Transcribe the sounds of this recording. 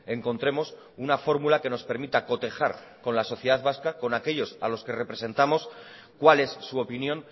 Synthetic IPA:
e̞ŋko̞nt̪ɾe̞mo̞s | unafo̞ɾmulake̞no̞spe̞ɾmit̪ako̞t̪e̞xaɾ | ko̞nlaso̞θje̞ð̞aðβaskako̞nake̞ʎo̞sa̰lo̞ske̞re̞pɾe̞se̞nt̪amo̞s | kwale̞sːuo̞pinjõ̞n

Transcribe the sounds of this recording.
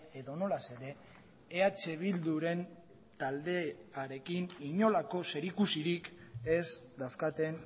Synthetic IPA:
eðo̞no̞lase̞ðe̞ː | at͡se̞β̞ild̪uɾe̞n | t̪ald̪e̞aɾe̞kiniɲo̞lako̞se̞ɾikusiɾike̞sd̪awskat̪e̞n

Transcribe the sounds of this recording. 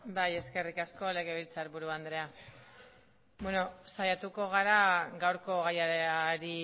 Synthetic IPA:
baje̞ske̞rikasko̞le̞ɣ̞e̞βilt͡saɾβuɾuand̪ɾe̞a | bweno̞sajat̪uko̞ɣ̞aɾaɣawɾko̞ɣajaaɾi

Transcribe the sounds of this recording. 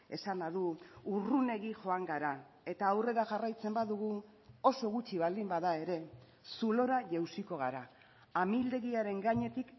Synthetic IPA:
e̞̰sanaðuurune̞ɣiʝo̞aŋɡaɾa | e̞t̪aːwre̞ɾaʝarajt͡se̞mbaðuɣ̞u | o̞so̞ɣut͡ʃiβald̪imbaðae̞ɾe̞ | sulo̞ɾaʝewsiko̞ɣ̞aɾaː | mild̪e̞ɣiaɾe̞ŋɡaɲe̞t̪ik

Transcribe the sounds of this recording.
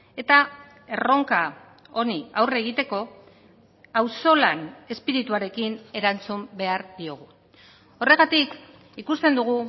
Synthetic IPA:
e̞t̪a | e̞ro̞ŋka | o̞niawre̞ɣit̪e̞ko̞ | awso̞lane̞spiɾit̪uaɾe̞kine̞ɾant͡sumbe̞aɾðio̞ɣ̞u | o̞re̞ɣat̪ik | ikust̪e̞nd̪uɣ̞u

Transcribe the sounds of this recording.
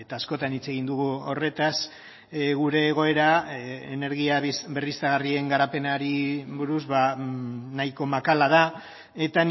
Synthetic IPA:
et̪aːsko̞t̪anit͡se̞ɣind̪uɣuo̞re̞t̪as | ɣuɾe̞ːɣ̞o̞e̞ɾaene̞ɾɣiaberist̪aɣarie̞ŋɡaɾape̞naɾiβuɾuzβa | najko̞makalaða | e̞t̪a

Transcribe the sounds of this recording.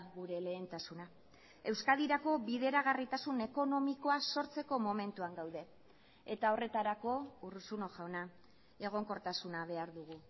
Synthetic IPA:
ɣuɾe̞le̞ːnt̪asuna | e̞wskaðiɾako̞βiðe̞ɾaɣ̞arit̪asune̞ko̞no̞miko̞aso̞ɾt͡se̞ko̞mo̞me̞nt̪uaŋɡawðe̞ | et̪ao̞re̞t̪aɾako̞urusuno̞ʝawna | e̞ɣ̞o̞ŋko̞ɾt̪asunaβ̞e̞aɾðuɣ̞u

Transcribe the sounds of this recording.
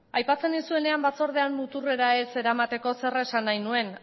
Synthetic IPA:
ajpat͡se̞nd̪isue̞ne̞ambat͡so̞ɾð̞eanmut̪ure̞ɾae̞se̞ɾamat̪e̞ko̞se̞resanːajnue̞n

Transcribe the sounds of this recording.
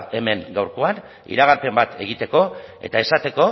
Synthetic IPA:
e̞me̞ŋɡawɾko̞an | ḭɾaɣ̞aɾpe̞mbat̪e̞ɣ̞it̪e̞ko̞e̞̰t̪ae̞sat̪e̞ko̞

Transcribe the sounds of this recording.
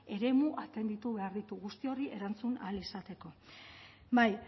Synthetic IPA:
e̞ɾe̞muʔat̪e̞nd̪it̪uβe̞aɾðit̪uɣust̪io̞ɾiʔe̞ɾant͡suna̰lisat̪e̞ko̞ | baj

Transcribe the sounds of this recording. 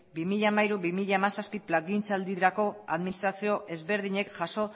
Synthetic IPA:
bimiʎaːmaiɾuβimiʎaemasaspiplaɣint͡sald̪iɾako̞aðminist̪ɾasio̞ʔe̞zβe̞ɾðiɲe̞kʝaso̞

